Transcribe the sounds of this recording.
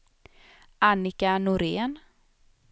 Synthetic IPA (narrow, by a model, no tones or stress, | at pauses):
anɪkanʊɾeːn